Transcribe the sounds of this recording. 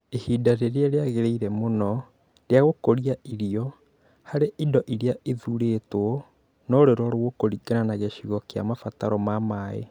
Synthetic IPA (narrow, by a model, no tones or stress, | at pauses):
ehiːdaɾeɾeɛɾeaɣeɾeiɾɛmonɔ | ɾeaɣokoɾiaʔiɾiɔ | haɾeʔidɔʔiɾeaʔiðuɾetwɔ | nɔɾeɾɔɾoɣokoɾiɡananaɣɛɕiɣɔkea̰mafataɾɔmamaːḛ